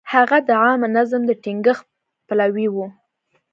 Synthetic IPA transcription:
haɣad̪əʕɑmnazəmd̪əʈiŋɡəx | palawiwu

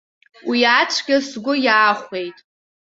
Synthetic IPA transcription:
wiat͡ʃʷʰɡʲasɡʷʊjaːχʷe̞jtʼ

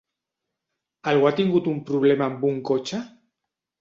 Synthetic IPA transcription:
alɣwat̪iŋɡut̪umpɾuβ̞lemambuŋkot͡ʃa

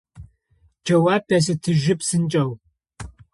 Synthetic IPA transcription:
d͡ʒɐwaːɐsɨtʰɨʒɪpsɨnt͡ʃʼɐw

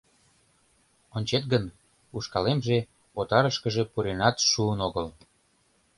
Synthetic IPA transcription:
onʲt͡ɕet̪ɡən | uʃkɑlemʒe | ot̪ɑɾəʃkəʒepuɾenɑt̪ʃuənoɣəl

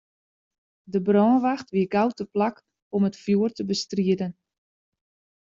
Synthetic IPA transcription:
dəbrɔːnʋaxtʋiəɡawtəplak | ɔmətfjuərtəbəstriədən

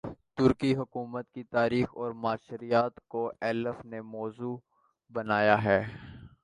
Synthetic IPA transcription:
t̪ʊɾkiɦʊkuːmət̪̚kit̪aːɾiːxɔːɾmaːʃɾijaːt̪koʔɛːləfnemɔːzuː | bɐnaːjaɦɛː

